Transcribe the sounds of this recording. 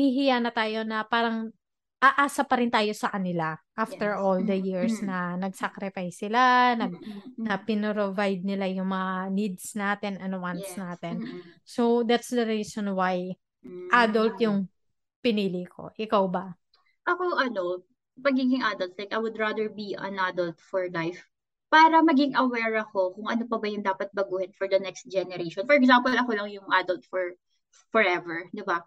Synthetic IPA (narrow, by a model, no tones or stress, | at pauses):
hɪɦɪjanɐt̪aːjo̞nɐpaːɾɐŋ | ʔaʔaːsɐpɐɾɪnt̪aːjo̞sɐkɐnɪlaʔaft̪ɛɹʔold̪ɐjiɹsnɐnɐɡsakɾɪfajsːɪlanɐɡ̚nɐpɪnoɾovajd̪̚nɪlajʊŋmɐŋanid̪snaːt̪ɛnɐnowant̪snaːt̪ɛnsowd̪at̪sd̪ɐɾiːsonwaj | ʔad̪olt̪jʊŋ | pɪniːlɪkʰo̞̰ʔɪkawbɐ | ʔɐkoʔɐno | pɐɡiːɡɪŋʔad̪ɐlt̪lajkɐjwʊd̪ɹad̪ɛɹbiɐ̰̃nʔad̪ɐlt̪̚fɔɹlajf | paːɾɐmɐɡɪŋʔɐwɛɹɐko̞kʊŋɐnopɐbɐjʊŋd̪aːpɐt̪̚bɐɡuːhɪnfɔɹd̪ɐnɛkst̪̚d͡ʒɛnɛɾejʃɔ̃nfɔɹɛɡzampɔlɐkolɐŋjʊŋʔad̪ɐlt̪fɔɹ | fɔɹɛvɛɹd̪ɪba